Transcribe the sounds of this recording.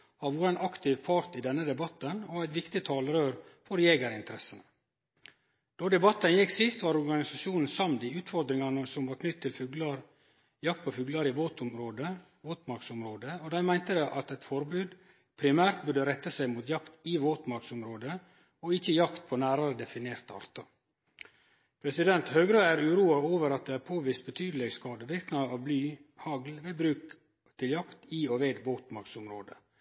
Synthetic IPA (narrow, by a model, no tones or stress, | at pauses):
hɑʋuːɾænɑkt̪ʰɪːʋpʰɑɾt̪ɪd̪ɛnːəd̪ɛbɑt̪ːənɔæɪt̪ʋɪkt̪ɪt̪ʰɑːlɾøːɾfɔɾɛjeːɡəɾɪnt̪əɾɛsənə | d̪̥ɔd̪ɛbɑt̪ːənjɪksɪst̪ʋɑːɾɔɾɡɑnɪsɑʃuːnn̩sɑmd̪iʉːt̪fɔɾd̪ɾɪŋɑnəsɔmʋɑːɾkʰnʏt̪ʰːɪlfʉɡlɑɾ | jɑk̚t̪pʰɔfʉːɡlɑɾɪʋoːt̪ʊmɾoːd̪ə | ʋoːt̪mɑɾksʊmɾoːd̪əod̪æɪmæɪnt̪əd̪ɛʔɑt̪ɛt̪fɔɾbʉːd̪ | pʰɾɪmæːɾt̪̚bʉɖəɾɛt̪ːəsæɪmuːt̪jɑkt̪iʋoːt̪mɑɾksʊmɾoːd̪ə | oɪçəjɑkt̪̚pʰoːnæːɾɑɾəd̪ɛfɪneːɾt̪əɑ̰ɾt̪ʰɑ | pʰɾɛsɪd̪ɛnt̪høːɡɾəæːɾʉːɾuːɑoːʋəɾɑt̪̚d̪eːæːɾpʰoːʋiːst̪̚bət̪ʰyːd̪əlɛɡskɑːd̪əʋɪɾknɑɑʋblyːhɑɡlʋeːbɾʉːk | t̪ʰɪljɑkt̪iːoʋeːd̪ʋoːt̪mɑɾksʊmɾoːd̪ə